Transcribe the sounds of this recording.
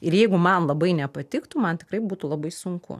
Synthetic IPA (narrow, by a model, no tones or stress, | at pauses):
ɪɾjɛɪɡʊmɐnlˠɐbɐɪnʲɛpɐt̪ʲɪkt̪ʊmɐnt̪ʲɪ̥kɾɐɪbuːt̪ʊlˠɐbɐɪsʊŋkʊ̰